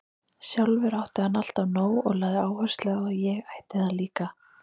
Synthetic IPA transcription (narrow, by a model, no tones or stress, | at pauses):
sjawlvɛɾawht̪ʏanːal̥t̪avnoːwɔɣlaːðɪaːwhœ̥st̪lɛɣaðjɛɣajht̪ɪ̥hɛaliːka